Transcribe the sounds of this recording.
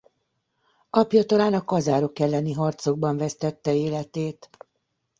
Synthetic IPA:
ɒpjɒt̪ɒlaːnɒkɒzaːɾo̞kɛlːɛniɦɒrt̪so̞ɡ̚bɒɱvɛst̪ɛt̪ːɛeːlɛt̪eːt̪

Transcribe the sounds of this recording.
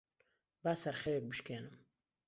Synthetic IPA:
baːsɐrχʲewɛk̚bɨʃkʰeːnɨm

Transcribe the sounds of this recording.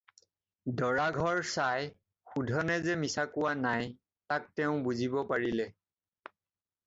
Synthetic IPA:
dɔɹaɡʱɔɹsaj | xudʱɔnɛzɛmisakʊwanaj | tak̚tɛʊ̃buzibɔpaɹilɛ

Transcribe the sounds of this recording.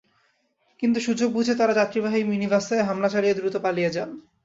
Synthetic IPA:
kint̪̬uʃud͡ʑoɡ̚bud͡ʑʰʱet̪aɾad͡ʑat̪ɾibaɦiminibast̪aeɦamlat͡ɕalijed̪ɾut̪opalijed͡ʑan

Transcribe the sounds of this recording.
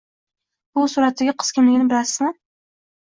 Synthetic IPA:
b̥ʊsuɾat̪ːaɡʲaqʰɨ̥skʲɪmlɪɡʲɪnɪbɪlasɪzmɪ

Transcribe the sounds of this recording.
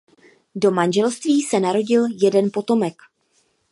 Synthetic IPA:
do̞manʒɛlst̪viːsɛnaɾo̞ɟɪljɛdɛnpo̞t̪o̞mɛk

